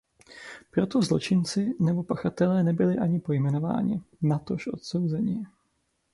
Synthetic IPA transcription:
pɾo̞t̪o̞zlo̞̰t͡ʃɪnt͡sɪnɛbo̞paxat̪ɛlɛːnɛbɪlɪʔaɲɪpo̞jmɛno̞va̰ːɲɪ̰nat̪o̞ʃʔo̞̰t̪so̞wzɛɲɪ

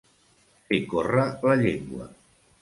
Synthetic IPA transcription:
fekorələʎeŋɡwə̰

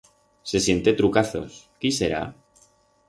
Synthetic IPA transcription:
se̞sje̞nt̪et̪ɾukaθo̞̰skiseɾa̰

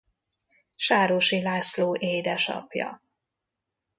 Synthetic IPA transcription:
ʃaːɾoʃilaːsloːʔeːd̪ɛʃɒ̰pjɒ̰

